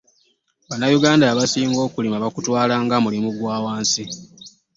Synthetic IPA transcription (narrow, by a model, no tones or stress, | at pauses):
βanːajuɡaːndaβasiːŋɡo̞ːkulimaβakutwaːlaːŋɡamulimuɡwaːwaːnsi